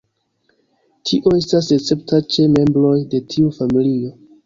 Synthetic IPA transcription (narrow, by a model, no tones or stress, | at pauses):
tʰiʔo̞e̞stas̬et͡se̞p̚tat͡ʃe̞me̞mbɾo̞jde̞tʰiufamilio̞